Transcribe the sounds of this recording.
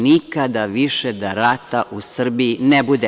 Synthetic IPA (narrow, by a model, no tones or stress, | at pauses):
nikad̪aʋiʃed̪aɾat̪aʔusr̩biinebud̪e